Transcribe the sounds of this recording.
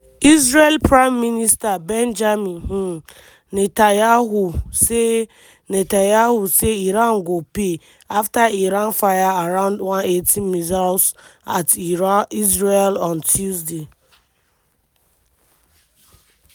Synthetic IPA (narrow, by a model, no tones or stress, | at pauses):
izɹelpɹaɪmːinistabɛnd͡ʒaminɦ̩ | netajaɦuse | netajahuseiɾan̩ɡope | aftaiɾanfajaaɾaʊ̃ndwãnetʰimizasatizɹelɔ̃ntʰuzde